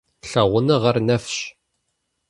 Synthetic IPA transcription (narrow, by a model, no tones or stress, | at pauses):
ɬəʁʷənəʁəɾnæfʃ